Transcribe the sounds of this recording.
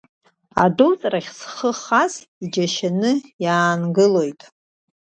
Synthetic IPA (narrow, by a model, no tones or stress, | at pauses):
a̰dowt͡sʼraχʲsχəχaz | id͡ʒaʃanɨjaːnɡɨlo̞jtʼ